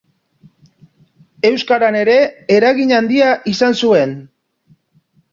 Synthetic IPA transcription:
e̞wskaɾane̞ɾe̞eɾaɣiɲand̪iaʔisansue̞n

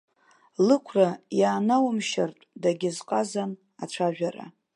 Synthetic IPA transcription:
lɨkʷʰrajaːnawmʃartʷʼdaɡʲɪzqʼazan | aʈ͡ʂʷʰaʒᶣara̰

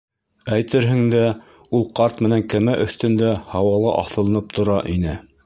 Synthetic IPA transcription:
æjt̪ɘɾɦɘ̆ŋd̪æ | ulˠqɑɾt̪mɘ̆næŋkæmæʔɵ̆θt̪ɵ̆nd̪æhɑwɑlˠɤ̰ʔɑ̰θɤ̆lˠɤ̆nɤp̚t̪ʰŏɾɑʔinɘ

